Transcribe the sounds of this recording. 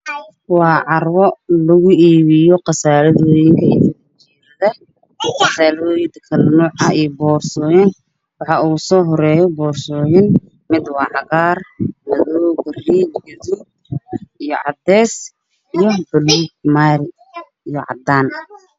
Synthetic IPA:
wɑːʕɑrwɔlʊɣʊiːβɪjɔqɑsaːlɐðɔjɪŋkʰɐḭt̪ɐ | t͡ʃɛːɾɐðɐ | qɑsaːlːjd̪ɐkʰɐlnɔːʕɐiːjbɔːrsɔːjɐn | wɑħɑuːsɔːɦɔɾɛːjɔbɔːrsɔːjɪn | mɪd̪wɑːʕɑɣaːrnɐðɔːwɡɐriːd̪ɡɐðuːd̪̚ | ijɔʕɑ̰d̪ɛːs | ijɔbɐluːɡmaɾɪ | ijɔʕɑ̰d̪aːn

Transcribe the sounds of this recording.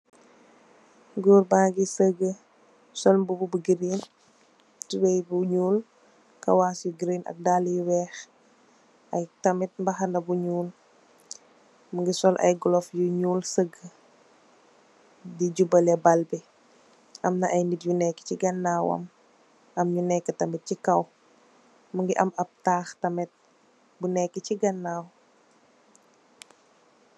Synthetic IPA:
ɡuːɾbaːɡisəɡːə | sɔlmbububuɡɾin | tiwɛjbuɲuːl | kɐ̰waːsuɡɾiːnʔɐ̰k̚daljuwɛːx | ʔɐjtɐmit̚mbɐxɐndɐbuɲuːl | mŋɡisɔlʔɐ̰jɡɔlɔfjuɲuːlsəɡːə | diɟubɐlɛbalbi | ʔɐmnɐʔɐjnitjunɛkːi̥ciɡɐnːaːwɐ̰m | ɐmɲunɛkːətɐmit̚cikɐw | məŋɡiʔɐmɐp̚taːxtɐmɛt̚ | bunɛkːət͡ʃiɡɐnːaːw

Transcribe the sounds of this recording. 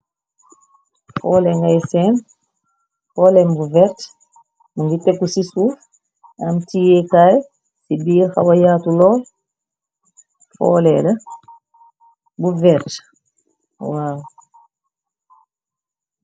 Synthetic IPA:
fɔːlɛŋɡajsɛn | fɔːlɛmbuvɛɾt | muŋɡitɛkːusisuf | ʔamtijɛkaj | sibixa̰wajaːtulɔl | fɔ̰lɛlə | buvɛɾt | waːw

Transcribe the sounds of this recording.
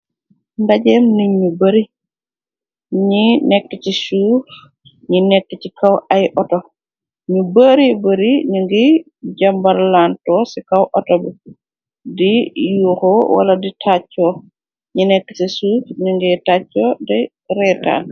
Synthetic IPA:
ndaɟɛːmniɲːubəɾi | ɲinɛkːət͡ʃisuːf | ɲinɛkːət͡ʃikawajʔɔtɔ | ɲubəɾibəɾiɲuŋɡi | ɟambaɾlantɔːsikawʔɔtɔbə | dijukɔwa̰laditʰat͡ʃːɔː | ɲinɛkːə̥sisuːfɲuŋɡitat͡ʃːɔdɛ | ɾɛta̰ːn

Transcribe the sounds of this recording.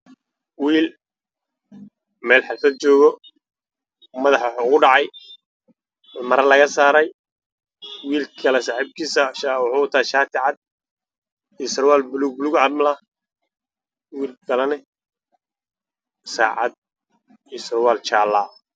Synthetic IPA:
wiːl | mɛːlħɪlfɐd̪̚t͡ʃɔːɣɔ | mɐðɑħwħɣʊɖɑʕɑj | mɐɾɐlɐɣɐsaːɾɛj | wiːlkʰɐlɛsaħib̚kʰiːsaʃawʊħuːʊt̪ʰaːʃaːt̪ʰɪʕɑd̪̚ | isrwaːlbluɡ̚bluɡʕɑd̪mlɐ | wiːlɡɐlɐnɪ | sa̰ːʕɑ̰d̪̚ | isrwaːlt͡ʃaːlaː

